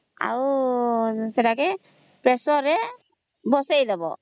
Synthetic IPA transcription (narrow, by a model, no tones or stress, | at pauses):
a̰w | sɛʈakɛ | pɾɛsɔɾɛ | bɔsajd̪abɔ̰